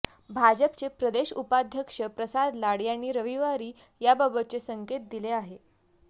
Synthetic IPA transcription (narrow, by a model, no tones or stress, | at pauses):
bʱad͡ʑəpt͡sepɾəd̪eɕupad̪ʱjəkʂəpɾəsad̪laɽjañːiːɾəʋiʋaɾiː | jababət̪̚t͡sesəŋket̪̚d̪ileaɦe